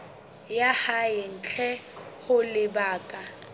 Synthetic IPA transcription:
jahaɪn̩t͡ɬʰɛhʊlɪbaːkʼa

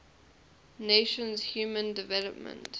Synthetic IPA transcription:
neʃə̃nzhjuːmə̃ndɪvɛləpmə̰̃nt

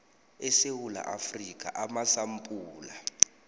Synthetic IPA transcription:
ɛsewula̰ʔafrik̬ʼa̰ʔamasampʼuːla

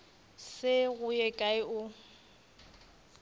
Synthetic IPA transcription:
sɪɣʊjɛkʼaɪʔʊ

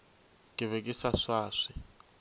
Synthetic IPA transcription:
kʼɪβekʼisaʂaːʂi

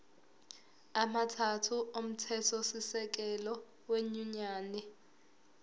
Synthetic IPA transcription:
amatʰatʰuʔom̩tʰɛtʰɔsisɛk̬ɛlɔ | weɲuɲaːnɛ

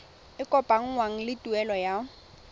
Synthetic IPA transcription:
ɪkʼɔpʼaŋ̩ŋwaŋ̩lɪtʼuɛlɔja

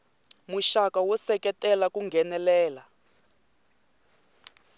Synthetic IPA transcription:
muʃakawɔsɛkɛtɛlakuŋɡʱɛnɛlɛːla

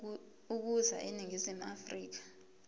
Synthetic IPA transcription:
uk̬uza̰ʔiniŋizimuafriːk̬ḁ

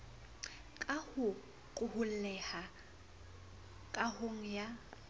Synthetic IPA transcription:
kʼahʊ | kʼʊhʊl̩lɛha | kʼahʊŋ̩ja

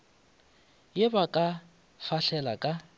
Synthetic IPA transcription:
jɪbakʼa | faɬɛlakʼa

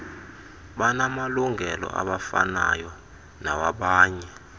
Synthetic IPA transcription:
ɓanamaluŋʱɛlɔ̰ʔa̰ɓafana̰jɔ | nawaɓaːɲɛ

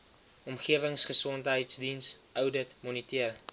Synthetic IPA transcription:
ɔmχiəvəŋsχəsɔntɦəjtsdinsœwdətmɔnitiər

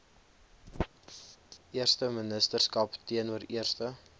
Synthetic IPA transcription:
ʔiərstəmənəstərskɐptiənuəriərstə

